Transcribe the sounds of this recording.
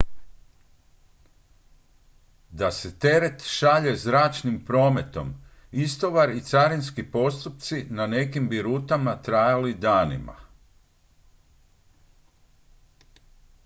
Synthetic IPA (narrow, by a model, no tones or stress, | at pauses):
d̪aset̪e̞ɾe̞t̪ʃaʎe̞zɾaːt͡ʃnimpɾo̞ːme̞t̪o̞̰m | ist̪o̞ʋaɾit̪saɾinskipo̞st̪up̚t̪sinane̞kimbiɾut̪amat̪ɾajalid̪aːnḭma̰